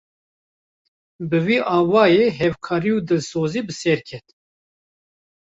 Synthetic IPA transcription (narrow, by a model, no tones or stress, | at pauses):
bɨviːʔɑːnwɑːjeːɦɛvkʰɑːɾiuːd̪ɨlsoːziːbɨsɛɾkʲʰɛt̪